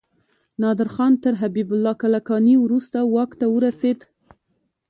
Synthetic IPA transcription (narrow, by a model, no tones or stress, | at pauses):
nɑd̪ɪɾxɑnt̪əɾɦabibʊlːɑkalakɑniwɾust̪awɑkt̪awəɾased̪